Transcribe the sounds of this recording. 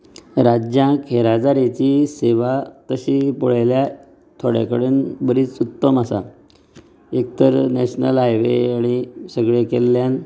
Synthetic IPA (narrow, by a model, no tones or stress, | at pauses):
ɾad͡ʑjãkʰeɾad͡zaɾet͡ɕiseʋat̪əɕiːpuɭajlja | t̪ʰoɽja̰kəɽeːnbəɾiːt͡sut̪ːəmasa̰ | ek̚t̪əɾneɕnəlɦajʋeaɽ̃isəɡɭekelːjan